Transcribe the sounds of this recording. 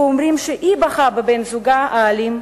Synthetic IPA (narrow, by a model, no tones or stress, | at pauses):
omʁimʃeʔibɐχababenzuɡaʔaːlim